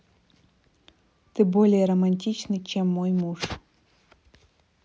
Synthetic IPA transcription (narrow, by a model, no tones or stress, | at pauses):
t̪ɨbolʲɪjəɾɐmɐnʲtʲit͡ɕnɨt͡ɕɛmːojmuʂ